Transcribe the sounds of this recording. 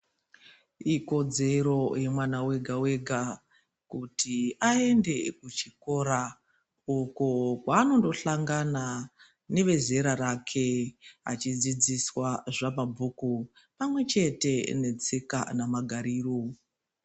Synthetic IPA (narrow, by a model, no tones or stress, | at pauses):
iko̞d͡ze̞ɾo̞jemwanawe̞ɡʱawe̞ɡʱa | kutʰiae̞nde̞kut͡ʃiko̞ɾa | ukokwaːno̞ndo̞ɬaŋɡana | ne̞ʋe̞ze̞ɾarakʰeɦa̰t͡ʃid͡zid͡ziswaʐamabʱuku | pamwe̞t͡ʃe̞te̞ne̞t͡seka̰namaɡʱaɾiro